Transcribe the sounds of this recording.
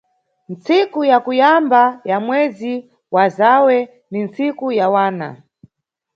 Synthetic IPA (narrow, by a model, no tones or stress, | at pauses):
nt͡sikujakujambajamwɛzi | wazawɛ | nint͡sikujawaːna̰